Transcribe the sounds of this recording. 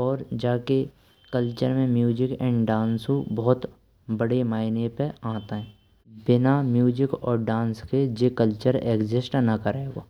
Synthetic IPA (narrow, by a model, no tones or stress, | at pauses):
ɔːɾd͡ʒaːke | kəlt͡ʃəɾmẽmjuːd͡ʒɪkɛ̰̃ːɳɖɖãːnsubɔːt̪ | bəɽemaːɪnepeãːt̪aɦɛ̃ː | bɪnamjuːd͡ʒɪkɔːɾɖãːnsked͡ʒeːkəlt͡ʃəɾeːkd͡ʒɪsʈnakəɾaeːɡo̰ː